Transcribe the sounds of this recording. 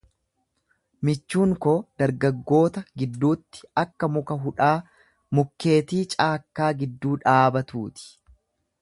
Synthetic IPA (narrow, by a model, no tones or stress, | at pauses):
mɪt͡ʃːuːŋkɔd̪̥ɐɾɡɐɡːo̞ːt̪ɐɡɪd̪ːuːt̪ːɪ̥ɐkːɐmʊkɐɦʊᶑaː | mʊkːe̞ːt̪iːt͡ʃʼaːkːaːɡɪd̪ːuːᶑaːbɐt̪uːt̪ɪ̥